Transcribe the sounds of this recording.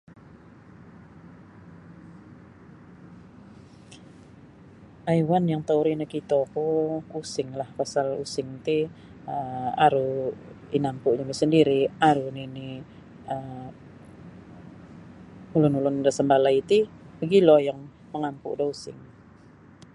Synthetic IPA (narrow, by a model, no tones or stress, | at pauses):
ʔajwanjaŋt̪auɾinakit̪okuusɪŋlahpasalusɪŋt̪i | əaɾu | inampuʔɲamisəndiɾiaɾunini | əm | ulʊnulʊndasəmbalait̪ibəɡilɔjaŋ | məŋampṵdɔusɪ̰ŋ